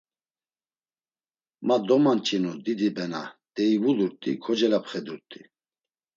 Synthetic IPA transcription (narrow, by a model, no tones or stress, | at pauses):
mad̪ɔmant͡ʃʼinud̪id̪ibɛna̰d̪̥ɛivuluɾt̪ʼikʰɔd͡ʒɛlapʰχɛd̪uɾt̪ʼi